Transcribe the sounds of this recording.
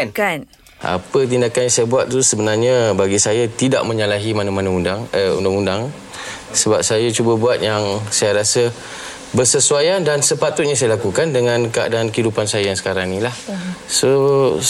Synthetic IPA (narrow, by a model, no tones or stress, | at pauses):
n | ʔa̰pət̪̬indakanjãŋsajabuat̪̚t̪usəbənarɲabaɡisajat̪ida̰ʔ̚mə̃ɲalaɦimanamãnãundaŋəṵndaŋundaŋ | səbap̚sajat͡ʃubəbuat̪̚jaŋsajaɾasə | bərsəsuajandansəpat̪ʊt̪̚ɲãsajalakukandəŋãnkəa̰dankidupansajajaŋsə̥kaɾaŋnilahso